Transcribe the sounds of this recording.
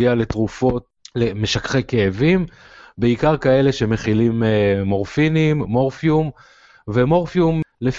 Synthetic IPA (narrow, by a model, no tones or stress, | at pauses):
iale̞t̪ʁufot | leme̞ʃakχekeːvim | beikaʁkae̞le̞ʃe̞me̞χilimmo̞ʁfinimːoʁfjum | vemo̞ʁfjumlef